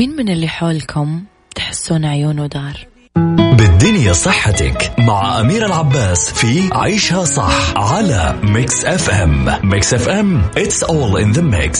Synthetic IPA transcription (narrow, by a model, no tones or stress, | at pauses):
mɪːnmɪnɪlːiħoːlkʰʊm | t̪ħɪ̥sːuːnʕjuːnwd̪ɑːɾˤ | bɪd̪ːʊnjasˤɨħːat̪a̰kmaʕaʔamiːɾalʕabːaːsfiʕa̰ːʃhasˤɑ̰ħʕala̰mɪksʔɛfʔɛ̰mːɪksʔɛfʔɛmʔɪt̪sʔɔːlɪ̰nðəmɪ̰ks